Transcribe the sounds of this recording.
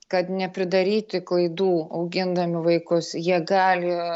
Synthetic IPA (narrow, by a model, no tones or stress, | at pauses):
kɐt̪nʲɛpʲɾʲɪd̪ɐɾʲiːt̪ʲɪklˠɐɪd̪uːɐʊɡʲɪnd̪ɐmʲɪʋɐɪkʊsjiɛɡɑːlʲɪ